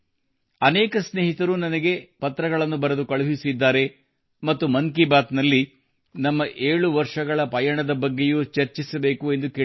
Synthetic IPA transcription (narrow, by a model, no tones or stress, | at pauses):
ɐnɛːkɐsneːɦit̪ɐɾunɐnɐɡe̞pɐt̪ɾɐɡɐɭɐnːubɐɾɐd̪ukɐɭuɦisid̪ːaːɾe̞ | mɐt̪ːumɐŋkibaːt̪nɐlːi | nɐmːɐʔe̞ːɭuʋɐɾʂɐɡɐɭɐpɐjaɳɐd̪ɐbɐɡːe̞jut͡ʃɐɾt͡ʃisɐbe̞ːkue̞nd̪ukeː